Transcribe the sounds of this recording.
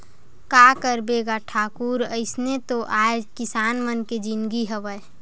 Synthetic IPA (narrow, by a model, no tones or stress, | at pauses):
kakəɾbeɡaʈʰaːkuɾəɪsnet̪oʔaekɪsaːnmənked͡ʒinɡiɦəʋəj